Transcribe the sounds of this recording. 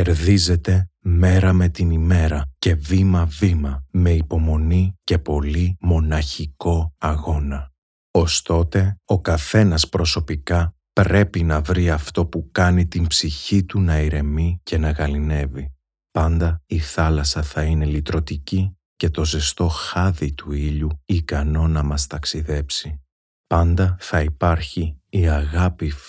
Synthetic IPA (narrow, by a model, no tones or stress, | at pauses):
eɾðize̞t̪e̞me̞ɾɐme̞t̪inime̞ɾɐce̞vimɐvimɐme̞ipo̞mo̞nice̞po̞limo̞nɐçiko̞ɐɣo̞nɐ | o̞st̪o̞t̪e̞o̞kɐθe̞nɐspɾo̞so̞pikɐ | pɾe̞pinɐvɾiɐft̪o̞pukɐnit̪imbsiçit̪unɐiɾe̞mice̞nɐɣɐline̞vi | pɐnd̪ɐiθɐlɐsɐθɐine̞lit̪ɾo̞t̪ici | ce̞t̪o̞ze̞st̪o̞xɐðit̪uiʎuikɐno̞nɐmɐst̪ɐksiðe̞psi | pɐnd̪ɐθɐipɐɾçiːɐɣɐpi